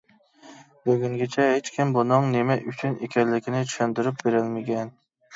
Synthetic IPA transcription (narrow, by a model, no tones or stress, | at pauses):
bɵɡʲʊŋɡʲat͡ʃʰahet͡ʃkʲʰɪmbʊnʊŋnemaʔʊt͡ʃʰʊnekʲʰanlɪkʲʰɪnɪt͡ʃʰʊ̥ʃant̪ɪɾɪp̚beɾalmaɡʲan